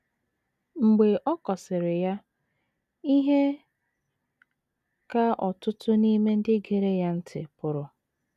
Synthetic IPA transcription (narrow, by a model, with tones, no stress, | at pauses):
ŋ͡m̩˨ɡ͡be˨ʔɔ˦kɔ˨sɪ˨ɾɪ˨ja˦ | i˦ɦe˦ | ka˦ʔɔ˨tʊ˦tʊ˦ni˦me˦n̩˦dɪ˦ɡe˨ɾe˦ja˦n̩˦tʰɪ̰˨pʊ˨ɾʊ˨